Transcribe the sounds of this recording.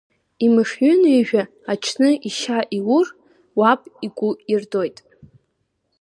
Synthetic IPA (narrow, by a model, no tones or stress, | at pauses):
imɨʂɥʏniʒᶣa | at͡ʃʰnɨʔiʃaʔiwʊr | wapʼikʷʼʊirdo̞jtʼ